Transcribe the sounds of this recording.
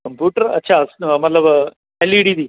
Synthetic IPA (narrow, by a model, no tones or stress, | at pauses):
kɐmpjuːʈɐɾɐ̰tːʃʰasmɐt̪lɐb | eliɽiːd̪i